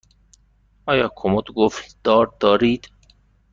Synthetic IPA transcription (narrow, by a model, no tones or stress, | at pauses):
ʔɒːjɒːkʰomod̪ɡofd̪̥ɒːɾd̪ɒːɾiːd̪̥